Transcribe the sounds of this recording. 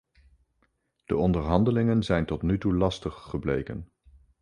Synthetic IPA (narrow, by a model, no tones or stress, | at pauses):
d̥əɔndəɹɦɑndəlɪŋənzɛjntɔtnytulɑstəχːəblḛjkə̰n